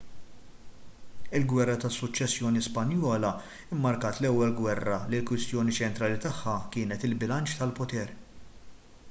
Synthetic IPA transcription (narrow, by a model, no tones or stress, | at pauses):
ɪlɡwɛrːɐt̪ɐsːʊt͡ʃːɛsːjɔːnispɐnjɔːlɐ | ɪmːɐɾkɐːt̪lɛwːɛlɡwɛrːɐlilkwɪst̪jɔːnit͡ʃɛnt̪ɾɐːlit̪ɐħːɐkɪːnɛt̪ɪlbɪlɐnt͡ʃt̪ɐlpɔt̪ɛːɾ